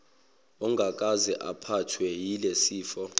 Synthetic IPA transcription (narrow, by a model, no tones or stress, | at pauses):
ɔŋɡʱak̬ʼazɛʔapʰatʰwɛjilesiːfɔ